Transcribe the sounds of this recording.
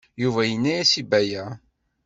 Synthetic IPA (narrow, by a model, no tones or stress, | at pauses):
juvæjənːæjæsibæjæ